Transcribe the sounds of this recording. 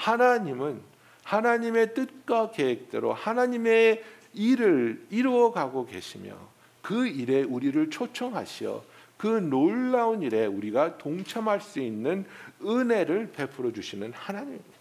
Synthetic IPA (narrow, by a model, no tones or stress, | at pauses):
hanaɲimɯn | hanaɲime̞t͈ɯt̚k͈ʌke̞wek̚t͈eɾo̰hanaɲime̞ | iɾɯɭiɾʌɡaɡoke̞̰ɕʰimjʌ̰ | kɯiɾe̞uɾiɾɯɭt͡ɕʰot͡ɕʰʌŋɦa̰ɕʰijʌ̰ | kɯnoɭːauniɾe̞uɾiɡatoŋt͡ɕʰamɦaɭs͈uinːɯnɯne̞ɾɯɭpe̞pʰɯɾʌd͡ʑuɕʰinɯnhanaɲim